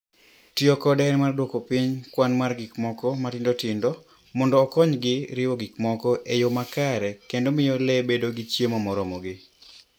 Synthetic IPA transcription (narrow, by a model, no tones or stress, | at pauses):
tjokɔdɛnmardwokopɪɲkwanmarɡikmɔkɔmatɪndotɪndɔ | mɔndɔːkɔɲɡɪɾɪwɔɡɪkmɔkɔʔejomakaɾɛkendomɪjɔlebedoɡɪt͡ʃjemɔmɔɾɔmɔɡɪ